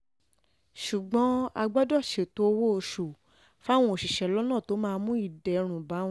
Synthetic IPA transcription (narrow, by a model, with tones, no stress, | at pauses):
ʃu˨ɡ͡bɔ̃˨˦a˧ɡ͡bɔ˦dɔ˦˨ʃe˨to˧wo˦o˧ʃu˨ | fa˦˨w̃ɔ̃˧o˨ʃi˨ʃɛ˨lɔ˦nãː˦˨to˨˦mãː˦˧mũ˦i˦˨dɛ˨ɾ̃ũ˨bã˨˦